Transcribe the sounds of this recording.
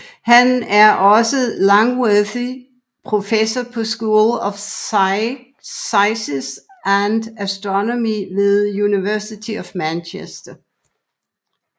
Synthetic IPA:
hænæɐʔɒ̽səlɑŋweði | pʰʁo̝fesɐpʰɒ̽sɡ̥uːlɒf | ɑɪsisænd̥æsd̥ʁɔnomiʋe̝ðˠjuniʋæɐsit͡sʰiɒfmænɕʰesd̥ɐ

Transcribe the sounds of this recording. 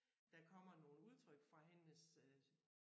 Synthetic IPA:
d̥ɑ̈kʰɒ̽m̰ɐno̝ːləuð̞ˠt͡sʰʁœɡ̥fʁɑ̈ɦenəs

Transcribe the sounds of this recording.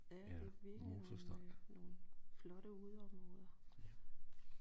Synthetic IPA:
jæd̥eʋiɐɡ̥isɒsd̥ɑ̥no̝ːlflɒ̽ɾ̥əuðˠɒ̽mʁmʁɔ̽ːð̞ˠɐ

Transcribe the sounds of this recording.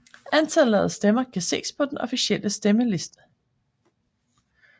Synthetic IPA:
ænt͡sʰæɛːð̩ˠsd̥emɐkʰæse̝̰ːspʰɒ̽d̥enɒfiɕeləsd̥eməle̝sd̥ə̥

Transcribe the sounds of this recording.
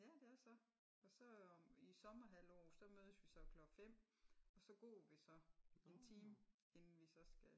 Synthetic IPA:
jæd̥e̝æɐsɒ̽ | ɒ̽sɒ̽isɒ̽mɐɦæl̰ɒ̰ːsɒ̽møːð̞ˠəsʋisɒ̽kʰlɒ̽ɡ̥fem̰ɒ̽sɒ̽ɡ̥ɔ̰ːʋisɒ̽e̝nt͡sʰiːm | e̝nn̩ʋisɒ̽sɡ̥æ

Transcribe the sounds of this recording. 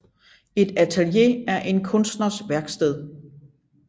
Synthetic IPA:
e̝d̥æt͡sʰælje̝̰æɐʔe̝nkʰɔ̽nsd̥nɐsʋæɐɡ̥sd̥eð̞̰ˠ

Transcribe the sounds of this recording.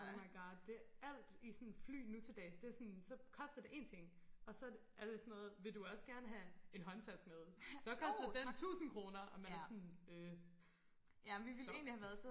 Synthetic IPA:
mɑ̈ɪɡ̥ɑ̈ːd̥̚ːe̝æl̰d̥isɔnfly̰ːnut͡sʰe̝d̥ɛ̰ːsd̥e̝ɐsɔnsɒ̽kʰɒ̽sd̥ɐd̥e̝ʔe̝̰ːnt͡sʰe̝ŋ̰ | ɒ̽sɒ̽ | æɐɾ̥e̝sɒnɔ̽ːð̞̩ˠʋe̝ld̥uɒ̽sə̥ɡ̥æɐnəɦæe̝nɦɒ̽nsæsɡ̥̚með̞ˠsɒ̽kʰɒ̽sd̥ɐd̥ent͡sʰṵːsn̩kʰʁo̝ːnɐʔɒ̽mænɐsɔnøː | æʋiele̝̰ːnlihæʋæɐðˠs

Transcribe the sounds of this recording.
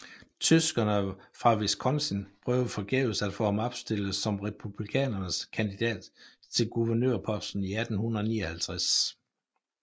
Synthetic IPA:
t͡sʰysɡ̥ɐnəfʁɑ̈ʋe̝skʰɒ̽nsənpʰʁœːʊfɒ̽ɡ̥ɛ̰ːʊsæd̥fɔ̰ːhɑ̈mɒ̽b̥sd̥e̝ləsɒ̽mʁɛpʰub̥likʰɛ̰ːnɐnəskʰænd̥id̥ɛ̰ːd̥ | t͡sʰe̝lɡ̥uʋɐnø̰ɐpʰɒ̽sd̥n̩iæd̥n̩hunɐðˠnḭːɒhælt͡sʰʁas

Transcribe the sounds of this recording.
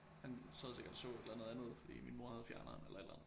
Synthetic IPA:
hænsɒðˠse̝ɡɐd̥ɒsɔ̰̽ːe̝d̥lænəð̩ˠænð̞̩ˠfɒd̥ḭːminmo̝ɐhæð̞̩ˠfjæɐnɐnelʔɐe̝d̥lænðˠ

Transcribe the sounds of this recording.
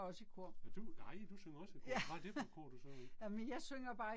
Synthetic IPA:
ɒ̽sikʰo̝ɐ̰æd̥unɑɪ̰d̥usøŋɐɒsikʰæ̥ɑ̈d̥efkʰɔ̰ːd̥usɔnæmənjɑ̈ɪsøŋ̰ɐb̥ɑ̈ː

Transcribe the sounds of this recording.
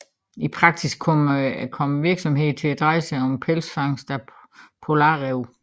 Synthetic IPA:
ipʰʁɑ̈ɡ̥sisɡ̥kʰɔmkʰɒ̽məʋiɐɡ̥sɒ̽mɦe̝ð̩̰ˠt͡sʰe̝læd̥ʁɑ̈ɪsəɒ̽mpʰelsfɑ̈ŋ̰sd̥æ | pʰo̝lɑ̈ːʁeʊ̰

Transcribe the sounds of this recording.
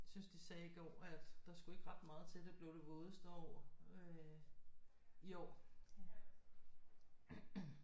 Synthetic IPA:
synsd̥isɛːiɡ̥ɒ̰ːæd̥d̥ɑ̈sɡ̥ue̝ɡ̥əʁɑ̈d̥mɑ̈ːð̞̩ˠt͡sʰe̝d̥eb̥le̝ʊɾ̥e̝ʋo̝ːðˠəsd̥əɒ̰ːø | iɒ̰ː

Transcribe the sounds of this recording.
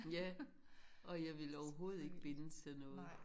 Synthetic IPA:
jæ | ʔɒ̽jɑ̈ɪʋe̝lɒʊɐɦo̝ːð̞̩ˠe̝ɡ̥əb̥e̝nsʰenɔ̽ːð̩ˠ

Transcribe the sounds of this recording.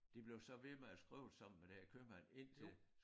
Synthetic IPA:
d̥ib̥le̝ʊsɒ̽ʋe̝meæsɡ̥ʁḭːʊ̥sɑ̈m̰n̩med̥ehæɐkʰømæne̝n̰t͡sʰe̝l

